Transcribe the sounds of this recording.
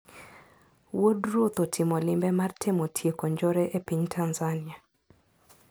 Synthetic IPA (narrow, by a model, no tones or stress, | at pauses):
wodrot̪otʰɪmɔlɪmbɛmartʰemotʰjekoɲd͡ʒoɾɛʔepiɲtʰanzanɪa